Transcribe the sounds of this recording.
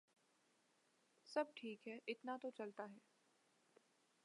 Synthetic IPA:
sɐb̚ʈʰiːkɦɛːʔɪt̪nat̪ot͡ʃɐlt̪aɦɛː

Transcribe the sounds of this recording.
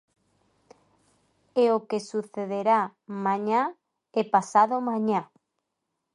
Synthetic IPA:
eokesuθeðeɾamãɲa | epasaðomãɲa

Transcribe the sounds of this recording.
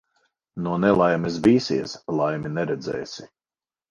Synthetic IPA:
nuɔnɛlˠajmɛsviːsiɛslˠajminɛɾɛd̪zɛ̰ːsi

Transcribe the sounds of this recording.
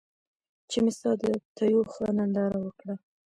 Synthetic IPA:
t͡ʃemɪsɑd̪ət̪ʰajoxənand̪ɑɾawəkɽa

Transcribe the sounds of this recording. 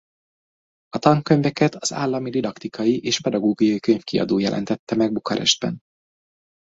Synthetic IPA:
ɒt̪ɒŋkːøɲvɛkɛt̪ɒz̥a̰ːlːɒmid̪id̪ɒkt̪ikʰɒjiʔeːʃpɛd̪ɒɡoːɡujɒjikøɲfkiɒ̰d̪oːjɛlʔɛ̰nt̪ɛt̪ːɛmɛɡ̚bukɒɾɛ̰ʒd̪̚bɛ̰n

